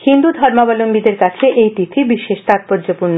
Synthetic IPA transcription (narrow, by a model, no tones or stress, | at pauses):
hind̪ud̪ʱɔɾmabɔloŋɡid̪eɾkat͡ɕʰeʔejt̪ifʰibiʃeʃt̪at̪̚poɾd͡ʑopuɾno